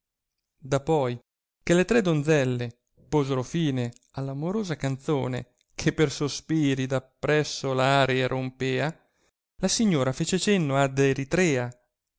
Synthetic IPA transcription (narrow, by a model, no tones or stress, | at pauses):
d̪apɔj | kelet̪ɾɛd̪ond̪zɛlːe | poːzeɾofiːne | alːamoɾoːzakant̪so̰ːnḛ | kʰepːersospiːɾid̪apːɾɛsːolaːɾeeɾʔompeːa | lasiɲːoːɾafeːt͡ʃet͡ʃenːoad̪eɾit̪ɾɛːa